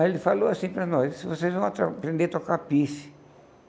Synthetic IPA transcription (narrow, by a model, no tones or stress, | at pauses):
elɪfaloasĩpɾɐnɔssvosezvɐ̃w̃at̪ɾapɾẽnd̪et̪okapisɪ̥